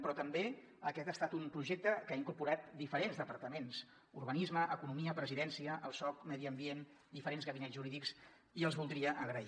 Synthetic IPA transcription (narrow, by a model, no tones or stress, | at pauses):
pɾɔt̪əmbe | əkɛt̪əst̪at̪umpɾuʒek̚t̪əkaiŋkuɾpuɾat̪̚d̪ifəɾenzðəpəɾt̪əmens | urβənizməʔəkunumiəpɾəziðɛnsiəʔəlˠsɔk̚mɛðiəmbien | d̪ifəɾenzɣəβinɛʒuɾiðiks | iəlˠzβulˠd̪ɾiəʔəɣɾəi